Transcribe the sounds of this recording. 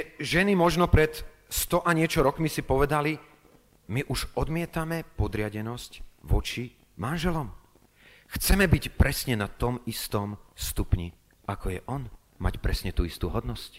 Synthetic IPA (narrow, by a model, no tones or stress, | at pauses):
ʒɛnimɔʒnɔpɾɛt̪ | st̪ɔʔaɲɪɛt͡ʃɔɾɔkmisipɔʋɛd̪ali | miʔuʃɔd̪mɪɛt̪amɛpɔd̪ɾɪaɟɛnɔscʋɔt͡ʃi | manʒɛlɔm | xt͡sɛmɛbicpɾɛsɲɛnat̪ɔmist̪ɔmst̪upɲḭ | akɔjɛʔɔn | ma̰cpɾɛsɲɛt̪uist̪uːɦɔd̪nɔsc